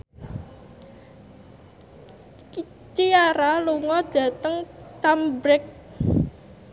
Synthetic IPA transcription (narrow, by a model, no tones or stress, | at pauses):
ki | t͡ʃiaɾaluŋɔd̥ä̤t̪əŋt͡ʃambɾɛk̚